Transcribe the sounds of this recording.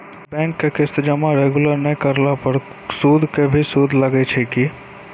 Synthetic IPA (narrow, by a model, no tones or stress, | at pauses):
bɛ̃ŋkːekɪst̪d͡ʒəmaɾeɡuləɾnɛjkəɾlapəɾ | sud̪ʱkebʱisud̪ʱləɡɛt͡ʃʰɛki